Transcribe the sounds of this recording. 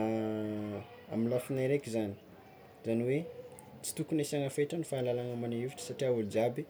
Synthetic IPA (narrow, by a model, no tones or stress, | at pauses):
aminlafinajɾekʲizani̥ | zaniwe | t͡si̥t̪ukunesaŋafeʈ͡ʂanifaːlalaŋamanaiviʈ͡ʂə̥saʈ͡ʂiaulud͡ʒabi